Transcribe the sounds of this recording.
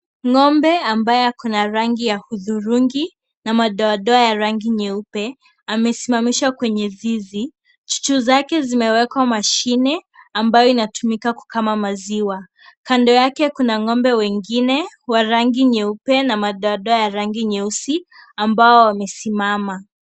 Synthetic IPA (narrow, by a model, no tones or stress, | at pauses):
ŋɔmbɛambajɛkunaɾaŋɡijahuðuɾuŋɡi | namaɗɔaɗɔajaɾaŋɡiɲɛupɛ | amɛsimamiʃwakwɛɲɛzizi | t͡ʃu̥t͡ʃuzakɛzimɛwɛkwamaʃinɛambajɔinatumikaku̥kamamaziwa | kandɔjakɛkunaŋɔmbɛwɛŋɡinɛwaɾaŋɡiɲɛupɛnamaɗɔaɗɔajaɾaŋɡiɲɛusiambaɔwamɛsimama